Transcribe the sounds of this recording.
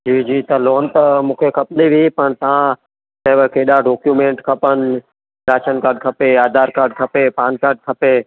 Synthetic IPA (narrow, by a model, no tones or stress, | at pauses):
d͡ʑiːd͡ʑiːt̪ɐloːnt̪ɐmũːkʰekʰɐpnd̪iʋʱipɐɳ̃t̪ɐʋ̤ã | sɐːʋəkʰeːɗaɖoːkjuːmẽːɳʈkʰɐpənɪ | ɾaːʃənkaːɾɖ̚kʰɐpeaːd̪ʱaːɾkaːɾɖ̚kʰɐpepaːnkaːɾɖ̚kʰɐpeː